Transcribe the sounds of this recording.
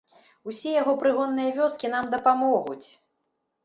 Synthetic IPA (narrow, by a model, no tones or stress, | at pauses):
usʲɛjaɣɔpɾɨɣɔnːɨjɐvʲɔskʲinamd̪ɐpamɔɣut͡sʲ